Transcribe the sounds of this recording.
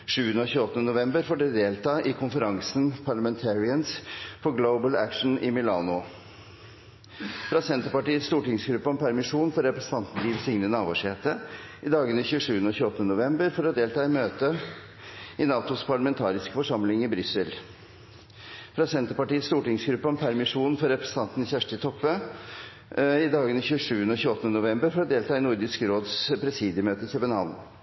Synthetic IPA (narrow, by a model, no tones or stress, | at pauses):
ʂʉːənəɔːçʉːɔt̪ənənʊʋɛmbəɾfɔɖɛd̪eːlt̪ɑːʔɪkʰʊnfəɾɑŋsnpʰɑɭəmɛnt̪ʰæːɹɪənspʰɔɡləʊbəlæ̰kʂn̩ɪ̰mɪlɑːnʊ | fɾɑːsɛnt̪əɾpɑʈiːət̪st̪uːʈɪŋsɡɾʉpːəɔmpʰæɾmɪʂuːnfɔɾɛpɾəsən̩t̪ʰɑnt̪nlilsɪŋnənɑːʋo̰ʂeːt̪əɪd̪ɑːɡəniçʉːəʂʉːənəɔːçʉːɔt̪ːənənʊʋɛmbəɾfɔɾɔd̪eːlt̪ɑːɪmøːt̪ə | ɪnɑːt̪ʊspʰɑɭəmɛnt̪ʰɑːɾɪskfɔʂɑmlɪŋɪbɾʏsːəl | fɾɑːsɛnt̪əpɑʈiːət̪st̪uːʈɪŋsɡɾʉpːəɔmpʰæɾmɪʂuːnfɔɾɾɛpɾɛsə̥n̩t̪ʰɑnt̪ən̩çæʂʈət̪ʰɔpːə | ɪd̪ɑːɡənɪçʉːəʂʉːənəoːçʉːɔt̪ənənʊʋɛmbəɾfɔɾɔd̪eːlt̪ʰɑːɛnʊɾd̪ɪskɾoːd̪spʰɾɛsiːd̪jəmøːt̪əsʰɛbənɑ̰ːln